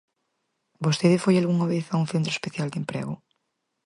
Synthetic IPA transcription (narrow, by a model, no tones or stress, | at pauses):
bost̪eðefojalɣuŋoβeθauŋθent̪ɾoespeθjald̪empɾḛɣo